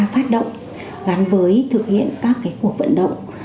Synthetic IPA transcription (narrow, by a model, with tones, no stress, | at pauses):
faː˦˥t̚ɗə̰˧˨wŋ͡m | laː˨˦nvəː˨˦jt̪ʰɨ˨˩k̚hḭ˧˨ənkaː˦˥kːaː˨˦jku˨˩ək̚və̰˧˨nɗə̰˧˨wŋ͡m